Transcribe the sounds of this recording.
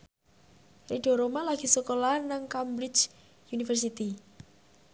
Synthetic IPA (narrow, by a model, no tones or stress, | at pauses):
reɖ̥ɔ̤ɾomalaɡ̥i̤səkolanaŋkambɾit͡ʃ | unifərs̬it̪i